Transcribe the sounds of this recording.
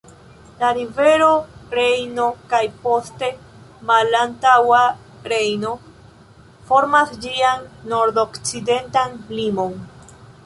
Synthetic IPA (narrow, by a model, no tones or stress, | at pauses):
laɾive̞ɾo̞ɾe̞jnokajpo̞ste̞ | malantawa | ɾe̞jno̞ | fo̞ɾmasd͡ʒianːo̞ɾdo̞kt͡side̞ntanlimo̞n